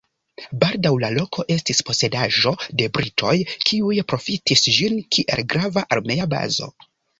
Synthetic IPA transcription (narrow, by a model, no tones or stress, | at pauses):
baldawlalo̞kʰo̞ʔe̞stispo̞se̞daʒo̞de̞bɾitʰo̞jkʰiujpɾo̞fitisʒinkʰiʔe̞̰lɡɾavaʔaɾme̞aba̰zo̞̰